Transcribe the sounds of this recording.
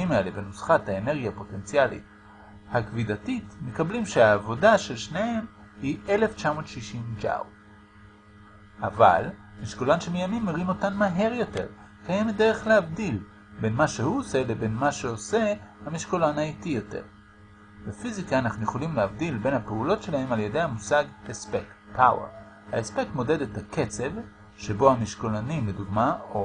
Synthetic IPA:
imae̞le̞benosχathaene̞ʁɡiapo̞te̞nt͡sialḭt | hakvidatitme̞kablimʃeaːvo̞daʃe̞lʃnehem | hie̞le̞ft͡ʃamo̞ːtʃiʃimd͡ʒa̰w̰ | ʔava̰l | miʃkolanʃemijamimːeʁimo̞tanmaɦe̞ʁjo̞te̞̰ʁ | kajemetde̞ʁeχlehavdil | be̞nmaʃehuose̞lebe̞nmaʃeosehamiʃkolanaitijo̞te̞̰ʁ | befizikaːnaχnujeχo̞limleavdilbe̞nhapeulo̞tʃe̞lahe̞maljedejhamusaɡespek | pʰawḛʁ | haespe̞kmo̞de̞dethakʰe̞t͡se̞v | ʃebo̞hamiʃkolanimleduɡmao

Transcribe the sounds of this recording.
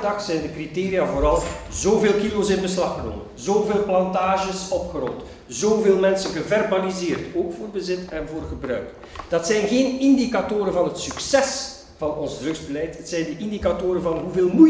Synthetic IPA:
dɑxsɛjndəkriteːɾijavoːɾɑlˠzoːveːlˠkilosɪnbəslɑxəno̰ːmənzoːveːlˠplɑntaːʒəsɔpxəɾɔlt | zoːveːlˠmɛnsənɣəvɛrbalizɪːrtoːkfoːrbəzɪtɛnvoːrɣəbrœ̰ɥk | d̥ɑtsɛjnɣeːnɪndikatoːɾənvɑnɦətsyksɛs | vɑnɔnzdrɵɡzbəlɛjthətsɛjndəʔindikatoːɾəvɑnɦuveːlˠmu

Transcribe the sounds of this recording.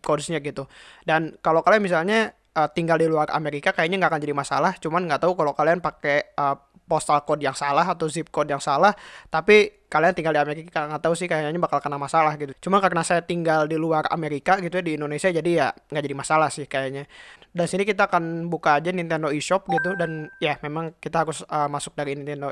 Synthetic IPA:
kɔdsɲaɡit̪udankalokalianmisalɲa | ʔət̪iŋɡaldiluara̰meɾikakajaʔɲaŋɡakand͡ʒadimasa̰laht͡ʃumanŋɡaʔt̪aukalokalianpakeə | pɔst̪alkɔdjaŋsalaɦat̪awzip̚kɔdjaŋsalaht̪api | kaliant̪iŋɡaldiameɾikaŋɡat̪ausɪhkajaɲaɲabakalkənamasalahɡit̪ut͡ʃumankarnasajat̪iŋɡaldiluara̰meɾikaɡit̪uadiːndonesiad͡ʒadijaŋɡaʔd͡ʒadimasalahsɪhkajaɲadansinikit̪aːkanbukaːd͡ʒanint̪ɛndoiʃɔp̚ɡit̪̬udanjamemaŋkit̪aɦaɾʊsəmasʊk̚daɾinint̪ɛndo

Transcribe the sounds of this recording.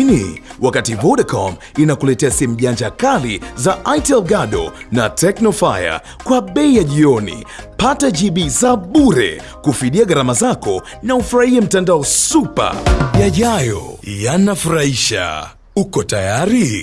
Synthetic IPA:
niwakativɔɗakɔm | inakulɛtɛasɛmuʄand͡ʒakalizaʔajtɛlɡaɗɔ̰natɛknɔfa̰ja̰ | kwaɓɛijaʄiɔnḭpataʄiɓizaɓuɾɛ̰ | kufiɗiaɡaɾamazakɔ | naufuɾahiam̩tandaɔsupa̰jaʄajɔ̰janafuɾahiʃa̰ | ukɔtajaɾi

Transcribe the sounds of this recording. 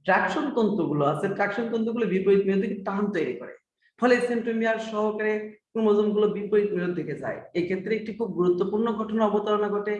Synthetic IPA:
ʈɾakʃont̪ɔnt̪ɾoɡuloaseʈɾakʃont̪ɔnt̪̬ɾoɡulobipoit̪̚miɾod̪ʱːeket̪aɦant̪ojɾikɔ̰ɾḛ | fʰɔleseɳʈomiaɾʃɔɦokaɾekunmod͡ʑomɡulobipoit̪̚miɾod̪ʱːeked͡ʑa̰eekʰet̪ːɾeek̚ʈikʰub̚ɡuɾut̪ːopuɾnoɡʱɔʈonaɔbot̪aɾonaɡʱɔʈe

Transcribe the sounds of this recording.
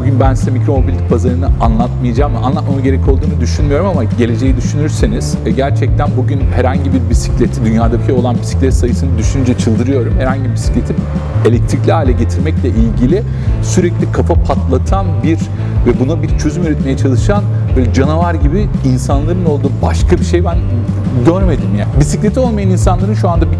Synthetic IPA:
buɟynbænsizɛmicɾo̞mobilʲd̪ipʰazaɾɯnɯanlˠat̪mɯjad͡ʒaːmvɛʔa̰nlˠat̪mamɯɟe̞ɾɛcʰo̞lˠd̪uːnud̪yʃynmijo̞ɾumamaɟe̞lʲe̞d͡ʒe̞jid̪yʃynyɾseniz̥ɛɟæɾt͡ʃʰɛc̚t̪ʰænbuɟynhɛɾhaɲɟibiɾbisi̥clʲet̪ʰid̪ynjaːd̪abiʃejo̞lˠanbi̥si̥clʲɛt̪sajɯsɯnɯd̪yʃynynd͡ʒɛt͡ʃʰɯlˠd̪ɯɾɯjo̞ɾumhɛɾhaɲɟibibisi̥clʲe̞t̪ʰi | e̞lʲɛc̚t̪ʰɾiclʲihaːlʲɛɟe̞t̪ʰiɾmɛclʲɛʔilʲɟilʲɪ | syɾɛclʲikʰafapʰat̪lˠat̪ʰanbiɾ | vɛbunubiɾt͡ʃʰø̞zymyɾɛt̪me̞jɛt͡ʃʰalˠɯʃan | bøːlʲɛd͡ʒanavaɾɟibiinsanlˠaɾɯno̞lˠd̪uːbaʃkʰabiʃe̞jbæn | ɟøɾme̞d̪imjaːbisiclʲe̞t̪ʰio̞lˠmajanins̬anlˠaɾɯnʃuand̪abi

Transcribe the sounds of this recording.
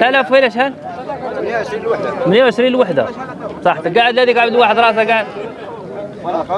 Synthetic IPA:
t̪alaːfwelaʃ̬al | mɪnjawʕɪʃɾiːnlwaħd̪a̰ | sˤɑħt̪ɪɡaːʕɪd̪lad̪ikʕabɪd̪waːħɪd̪ɾˤɑːʔs̬aɡaʕd̪̚

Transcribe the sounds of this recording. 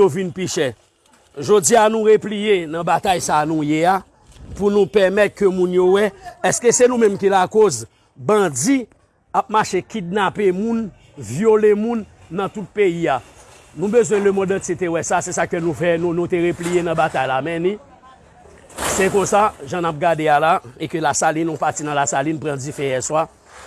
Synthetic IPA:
ovinpiʃɛ | ʒod͡zianũʁeplijenɐ̃bat̪ajsanũjea | punũpɛmɛt̪̚kømũnjowɛɛskøsenũmɛ̃mkilakoz | bʌ̃d͡zi | ap̚maʃekidnapemũn | vjolemũnː | ɐ̃t̪ut̪̚peia | nũbøzwɛ̃lømɔ̃dãt͡sit̪ewɛsasɛsakønũfɛnũnũt̪eɣeplijenɐ̃bat̪ajlamɛ̃nĩ | sekõsaʒãnap̚ɡadealaekølasalinɔ̃pat͡sinãlasalinpʁãd͡zifeɣɛ̃swa

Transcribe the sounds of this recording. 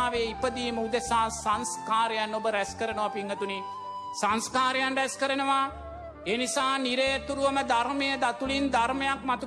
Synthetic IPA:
ʋeːipəd̪iːməud̪esaːsanskaːɾejanːobəɾæskəɾənəʋapiŋːət̪uni | sanskaːɾejanɾæskəɾənəʋa | eːnisaːniɾejət̪uɾuʋəməd̪aɾmejəd̪at̪ulind̪aɾmejakmat̪u

